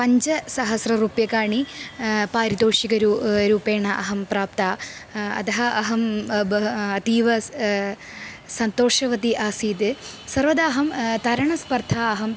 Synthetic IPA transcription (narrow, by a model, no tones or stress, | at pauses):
pɐɲt͡ʃɐsɐɦɐsɾɐɾuːpjɐkaːɳipaːɾit̪oːʂikɐɾuɾuːpeːɳɐʔɐɦɐmpɾaːp̚t̪aːɐ̰t̪ɐɦɐʔɐɦɐmbɐt̪iːʋɐ | sɐnt̪oːʂɐʋɐt̪iʔaːsiːt̪e | sɐɾʋɐd̪aːɦɐmt̪ɐɾɐɳɐspɐɾt̪ʰaːɐɦɐm